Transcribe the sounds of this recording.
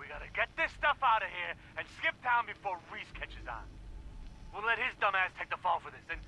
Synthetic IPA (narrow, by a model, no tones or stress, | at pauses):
wiɡɑɾɨɡɛt̪̚ðɪstʌfaʊɾʌv̥hiɹ | ɨ̃nskɪp̚dʰãʊ̃nbɨfɔɹɹiz̥kʰɛt͡ʃɨz̰n̩ | wɪlɛt̚hɪzdʌmæz̥tʰeɪk̚ðəfõʊ̃nfə˞ðɪsðɨ̃n